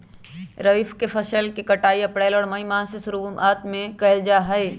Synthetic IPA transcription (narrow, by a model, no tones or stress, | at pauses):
ɾəʋiːfʰkepʰəsəlkekəʈaːiɐpɽaːɪlɔːɽməimasesʊɾumaːt̪mẽkɐɪld͡ʒaɦəj